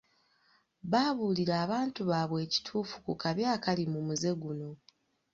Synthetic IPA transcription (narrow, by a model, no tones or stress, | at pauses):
βaːβuːliɾaːβaːntuβaːβwe̞ːci̥tʰuːfu̥kukaβjaːkalimumuze̞ɡuno̞